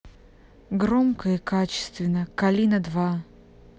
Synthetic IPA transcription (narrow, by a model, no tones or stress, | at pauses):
ɡɾomkəikat͡ɕɪ̥st̪vʲɪnːəkɐlʲinəd̪va